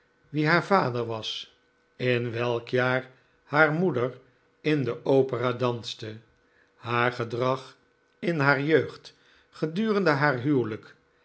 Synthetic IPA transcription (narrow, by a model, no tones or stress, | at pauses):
ʋiɦaːɹvaːdəɹʋɑs | ɪnʋɛlˠkjaːɹ | haːɹmudəɹ | ɪndəʔowpəraːdɑnstə | haːɹχədrɑχ | ɪnɦaːɹjøɥχt | χədyːʁəndəɦaːɹɦywlək